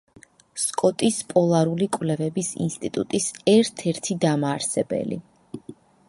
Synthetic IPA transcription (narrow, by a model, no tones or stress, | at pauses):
skʼɔt̪ʼispʼɔlˠaɾulikʼwvlɛvɛbisḭnst̪ʼit̪ʼut̪ʼisɛɾt̪ʰɛɾt̪ʰid̪amaːɾsɛbɛ̰lḭ